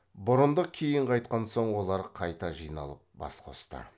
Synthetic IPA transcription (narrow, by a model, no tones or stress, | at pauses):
bʊɾənd̪əkʲʰejɪɴqʰɑjt̪̚qɑnso̞ɴwo̞lˠɑɾqʰɑjt̪ɑʒijnɑ̰lˠəp̚bɑ̰sqʰo̞̰st̪ə̰